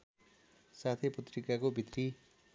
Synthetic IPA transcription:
sat̪ʰepʌt̪rikakobʱit̪ri

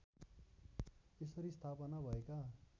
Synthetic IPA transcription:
esʌɾist̪ʰapʌnabʱʌeka

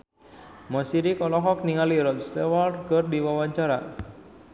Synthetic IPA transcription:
masiɾikɔlɔɦɔk̚niŋaliɾɔt̪̚st̪ewalrkərdiwawaɲt͡ʃaɾa̰

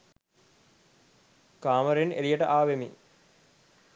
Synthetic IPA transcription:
kaːməɾenḛɾijəʈəʔaːʋemḭ

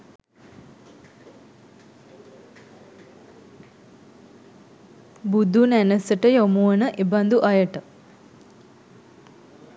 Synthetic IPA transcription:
bud̪ʱunænəsəʈəjomuʋənəʔeband̪uʔajəʈə

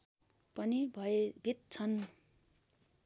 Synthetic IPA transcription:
pʌnibʱʌebʱit̪̚t͡sʰʌn

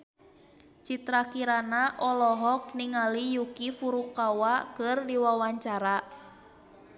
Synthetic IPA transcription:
t͡ʃit̪ɾakiɾanaʔɔlɔɦɔk̚niŋalijukifuɾukawakərdiwawaɲt͡ʃaɾa

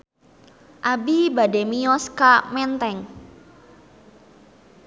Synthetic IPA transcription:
ʔabibademijɔskamɛnt̪ɛŋ

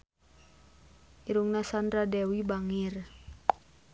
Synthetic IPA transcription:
ʔiɾuŋnasandɾadɛwibaŋir

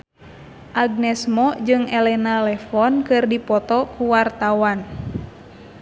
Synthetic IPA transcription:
ʔaɡ̚nɛsmɔd͡ʒɨŋɛlɛnalɛfɔnkɨrdipɔt̪ɔkuwart̪awan

